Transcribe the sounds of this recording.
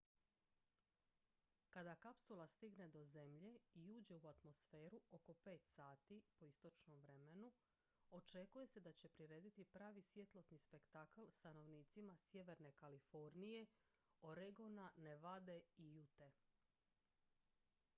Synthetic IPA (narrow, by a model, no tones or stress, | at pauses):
kad̪akapsulˠast̪iɡne̞d̪o̞ze̞mʎe̞iuːd͡ʑe̞uat̪mo̞sfe̞ːɾuo̞ko̞pe̞ːt̪saːt̪ipo̞ist̪o̞t͡ʃno̞mʋɾe̞me̞nu | o̞t͡ʃe̞kuje̞se̞d̪at͡ɕe̞pɾiɾe̞ːd̪it̪ipɾaːʋisʋje̞t̪lo̞snispe̞kt̪aklˠst̪ano̞ʋniːt̪simasje̞ʋe̞ɾne̞kalifo̞ɾnije̞ | oɾeɡo̞naneʋad̪e̞ijut̪e